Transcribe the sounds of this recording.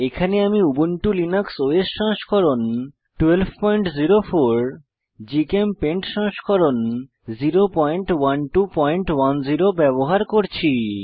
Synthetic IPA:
ekʰaneamiubonʈulinaksoeʃːɔŋʃkʰɔɾon | ʈuwelbʱpɔjɳʈziɾofoɾ | d͡ʑikempeɳʈʃɔŋʃkʰɔɾon | ziɾopɔjɳʈwanʈupɔjɳʈwand͡ʑiɾobɛboɦaɾkoɾt͡ɕʰi

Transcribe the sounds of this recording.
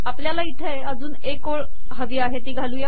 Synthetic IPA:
apljalait̪ʰə | əd͡zuːnekoɭ | ɦəʋiːaɦet̪iːɡʱaluːja

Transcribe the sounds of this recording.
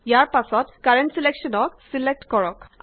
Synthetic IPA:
jaɹpasɔtkaɹentsileksɔnɔksilek̚tkɔɹɔk

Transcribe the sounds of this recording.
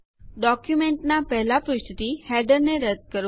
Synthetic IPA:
ɖɔkjumeɳʈnapɛɦlapɾʊst̪ʰit̪ihɛɖəɾneɾəd̪̚kəɾ

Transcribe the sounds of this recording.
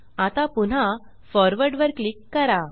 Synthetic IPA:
at̪apun̤ã | fɔɾʋəɾɖʋəɾklikːəɾa

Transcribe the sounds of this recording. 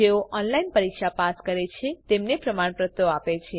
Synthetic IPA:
eoʔɔnlainpəɾikʃapaskəɾet͡ʃʰet̪emnepɾəmaɳ̃pɾət̪ːoapet͡ʃʰe

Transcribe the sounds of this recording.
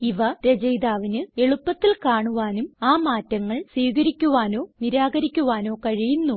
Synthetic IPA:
iʋɐɾed͡ʑɐjd̪aːʋinɨe̞ɭupːɐt̪ːilkaːɳuʋaːnumaːmaːtːɐŋːɐɭsiːɣɐɾikʲːuʋaːno̞ːniɾaːɡɐɾikʲːuʋaːno̞ːkɐɻijunːu

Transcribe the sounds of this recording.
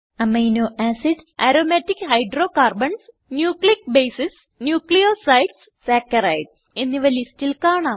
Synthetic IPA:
ɐmejnoːʔæsiɖɐɾoːmɐtːikhɐjɖroːkaːrbɐɳs | njuːklik̚bejsis | njuːklijosɐjɖs | sakːɐɾɐjɖ | enːiʋɐlistilkaːɳaːm

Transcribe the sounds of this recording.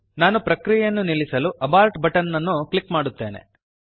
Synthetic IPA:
naːnupɾɐkɾijjɐnːunilisɐluʔɐbaːɾʈbɐʈɐnːɐnːuklikmaːɽut̪ːe̞̰ːnḛ

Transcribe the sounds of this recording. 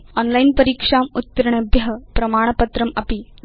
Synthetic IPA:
ɔnlainpəɾikʂaːmut̪ːɐɾɳɐbʱjɐɦəpɾɐmaːɳ̃ɐpɐt̪ɾɐmɐpi

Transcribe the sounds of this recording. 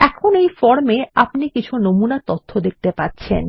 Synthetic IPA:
ɛkʰonejfɔɾmeapnikit͡ɕʰunomunat̪ot̪ʰːod̪ek̚t̪epaɾɕʰḛn

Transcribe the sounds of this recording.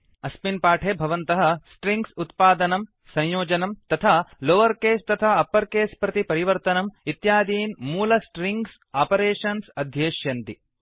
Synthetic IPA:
ɐspinpaːʈʰeːbʱɐʋɐnt̪ɐɦɐsʈɾiŋɡsut̪paːd̪ɐnɐm | sɐ̃j̃joːd͡ʒɐnɐmt̪ɐt̪ʰaːloːʋɐɾkeːst̪ɐt̪ʰaːɐpːɐɾkeːspɾɐt̪ipɐɾiʋɐɾt̪ɐnɐmit̪jaːd̪iːnmuːlɐsʈɾiŋɡs | aːpɐɾeːʂɐnsɐd̪ʱjeːʃjɐnt̪i

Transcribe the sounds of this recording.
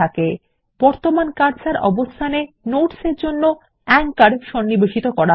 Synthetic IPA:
ake | b̥ɔɾt̪omankaɾd͡ʑaɾʔɔ̰bost̪ʰane | noʈseɾd͡ʑonːo | ɛŋkaɽʃɔnːiboʃit̪okɔɾa

